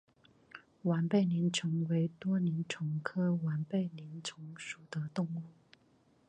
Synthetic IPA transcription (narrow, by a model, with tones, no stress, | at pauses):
wa˧˥npe˥˩ɪni˧˥nt͡sʰʊ˧˥ŋwe˧˥ɪt̪wɔ˥ni˧˥nʈ͡ʂʰʊ˧˥ŋkʰɤ˥wa˧˥npe˥˩ɪni˧˥nt͡sʰʊ˧˥ŋʂu˨˩d̪ə˦t̪ʊ˥˧ŋu˥˩